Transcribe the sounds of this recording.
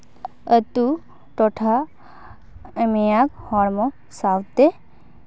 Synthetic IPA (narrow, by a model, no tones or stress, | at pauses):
ət̪u | ʈoʈʰa | mijakhɔɾmɔ | sawt̪e